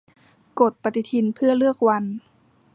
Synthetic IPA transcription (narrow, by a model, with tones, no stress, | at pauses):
ko˨˩t̪̚pa˧t̪i˧t̪ʰi˧npʰɯ˥˩ɐəlɯ˥˩ək̚wa˧n